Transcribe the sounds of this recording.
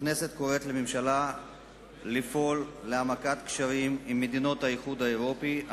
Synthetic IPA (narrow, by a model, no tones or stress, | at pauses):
ne̞se̞t̪ko̞ʁe̞t̪lememʃala | lifo̞lːeamakat̪kʃaʁimimːed̪ino̞t̪haiχud̪haeʁo̞pi